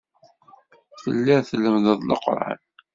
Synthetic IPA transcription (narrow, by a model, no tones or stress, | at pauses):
θə̰lːɪɾθlːəmðəðˤlə̰qɾˤa̰n